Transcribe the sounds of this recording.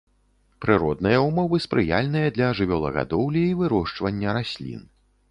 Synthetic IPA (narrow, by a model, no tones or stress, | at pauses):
pɾɨɾɔd̪̚nɨjɐumɔvɨspɾɨja̰lʲnɨjɐd̪lʲɐʐɨvʲɔlˠɐ̰ɣa̰d̪ɔwlʲiivɨɾɔʂt͡ʂvɐnʲːɐɾasʲlʲḭn